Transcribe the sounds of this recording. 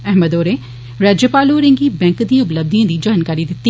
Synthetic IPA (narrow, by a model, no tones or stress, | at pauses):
ɛɦməd̪oːɾe | ɾaːd͡ʒəpaːloːɾẽŋɡiːbɛ̃ːŋkd̪ĩʊpləb̚d̪iãːd̪iːd͡ʒaːnkaːɾid̪ɪt̪ːi